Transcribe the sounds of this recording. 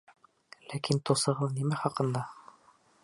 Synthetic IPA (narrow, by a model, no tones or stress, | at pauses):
lækint̪ŏsɤ̆ʁɤðnimæχɑqɤ̆nd̪ɑ